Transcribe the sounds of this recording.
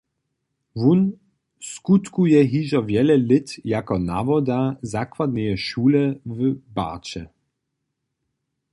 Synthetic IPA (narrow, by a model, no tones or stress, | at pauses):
vun | skut̪kujɛɦiʒɔvjɛlɛlɪt̪jakɔna̰vɔd̪azakwad̪nɛjɛʃuːlɛvəba̰t͡ʃɛ̰